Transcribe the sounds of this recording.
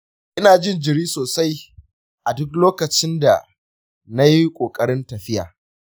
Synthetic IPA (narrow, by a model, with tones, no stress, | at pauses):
ʔɪ˦naː˨d͡ʒɪ˦nd͡ʒɪ˨ɾiː˦soː˨sa˦j | ʔa˨dʊ˦kloː˦kɐ˨t͡ʃɪ˦nda˨ | na˦ji˦kʷʼoː˨kʼɐ˦ɾɪ˦ntɐ˨ɸɪ˦ja̰ː˨